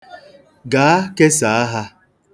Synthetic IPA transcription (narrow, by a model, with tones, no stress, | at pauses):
ɡaː˨˦a˦ke˦sa˨˦a˦ɦa˦